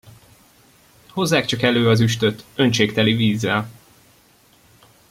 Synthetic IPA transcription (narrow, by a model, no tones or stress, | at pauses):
ho̞zːaːkt͡ʃɒkɛløːɒzyʃt̪ø̞t̪ønt͡ʃeːkt̪ɛliviːzːɛl